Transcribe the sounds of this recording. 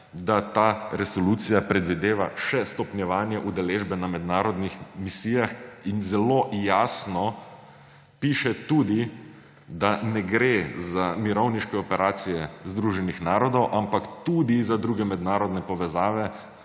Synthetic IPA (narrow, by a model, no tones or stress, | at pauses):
d̪at̪aɾɛsɔlut̪sijapɾɛd̪ʋid̪eːʋaʃɛst̪ɔpnʲjɛʋaːnjɛʔud̪ɛleːʒbɛnamɛd̪naːɾɔd̪nixmisiːjaxinzɛloːjaːsnɔ | piːʃɛt̪uːd̪i | d̪anɛɡɾezamiɾɔwniʃkɛɔpɛɾʔaːsijɛzd̪ɾuːʒɛnixnaːɾɔd̪ɔwʔampakt̪ud̪izad̪ɾuɡɛmɛd̪naːɾɔd̪nɛpɔʋɛzaːʋɛ